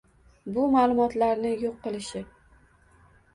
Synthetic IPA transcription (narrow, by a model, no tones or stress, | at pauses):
bʊmaːlˠʊmɒt̪laɾnɪjoqːɨlˠɪʃɪ